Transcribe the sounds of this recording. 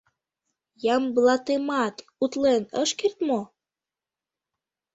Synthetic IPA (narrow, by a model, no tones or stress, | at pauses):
jɑmblɑt̪emɑt̪ut̪lenəʃkert̪mo